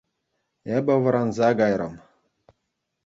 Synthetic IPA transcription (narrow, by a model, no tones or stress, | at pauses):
ebʲɘ̆ʋɤ̆ɾɑnzɑɡɑjɾɤ̰̆m